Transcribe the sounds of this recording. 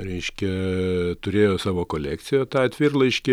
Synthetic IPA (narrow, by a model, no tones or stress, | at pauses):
ɾʲɛɪʃʲkʲɛt̪ʊɾʲeːjoːsɑːʋoːkoːlʲæːk̪sʲɪjoːt̪ɑːɐt̪ʲʋʲɪrlˠɐɪʃʲkʲɪ